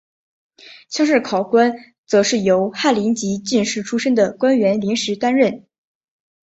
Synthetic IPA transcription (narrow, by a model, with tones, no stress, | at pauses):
ɕʰjɑ˥ŋʂɻ̩˥˩kʰɑ˨˩ʊkwa˥n | t͡sɤ˧˥ʂɻ̩˥˩jo˧˥ʊxa˥˩li˧˥nt͡ɕi˧˥t͡ɕi˥˧nʂɻ̩˥˩ʈ͡ʂʰu˥ʂə˥ŋd̪ə˨kwa˥nɥɛ˧˥nli˧˥nʂɻ̩˧˥t̪a˥nɻə˥˩n